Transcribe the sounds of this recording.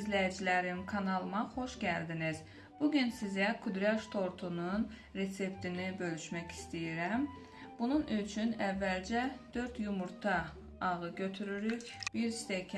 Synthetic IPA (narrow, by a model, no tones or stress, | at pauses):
izlæjid͡ʒilæɾimkʰɑnɑlˠɯmɑχo̞ʃɟæld̪iniz̥ | b̥uɟynsizækʰud̪ɾɛʃt̪ʰo̞ɾt̪ʰunun | ɾe̞t̪se̞pt̪ʰinibø̞lyʃmæci̥st̪ijiɾæm | b̥ununyt͡ʃʰynævːæld͡ʒæd̪̥ø̞ɾt̪jumuɾt̪ʰɑː | ʁɯɟø̞t̪ʰyɾyɾycb̥iɾst̪ekʰ